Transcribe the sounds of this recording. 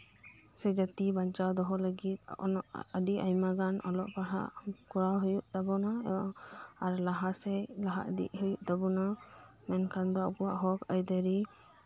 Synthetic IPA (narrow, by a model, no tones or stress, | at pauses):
sɛd͡ʒat̪ibant͡ʃawd̪ɔɦɔləɡit̪̚ɔnɔʔəɖiʔajmaɡanɔlɔʔpaɦa̰ʔkuɾawɦujuʔd̪abɔna | aɾlaɦasɛlaɦa̰ʔd̪ḭʔhujuʔd̪abɔna | mɛnkʰand̪ɔɔkɔwaʔɦɔkajd̪əɾi